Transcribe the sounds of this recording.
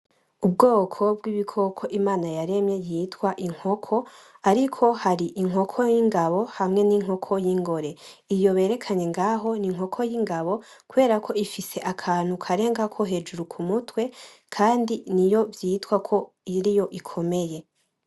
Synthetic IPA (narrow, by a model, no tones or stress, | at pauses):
ub̚ɡoːkʰo̞bɡwiβikʰo̞kʰo̞ʔimaːnajaɾe̞mje̞jitwaʔiŋ̥ho̞kʰo̞ | aɾikʰo̞haɾiʔiŋɦo̞kʰo̞jiŋɡaβo̞hamŋe̞niŋ̥ho̞kʰo̞jiŋɡo̞ɾe̞ | ijo̞βe̞ːɾe̞kʰaɲe̞ŋɡaːɦo̞niŋ̥ho̞kʰojiːŋɡaβo̞ | kuβe̞ːɾakʰo̞ifise̞ʔakʰaːn̥ukʰaɾe̞ːŋɡakʰoɦe̞d͡ʒuɾukʰumutwe̞ | kʰaːndinijo̞vjitwakʰo̞ | iɾijo̞ʔikʰo̞me̞je̞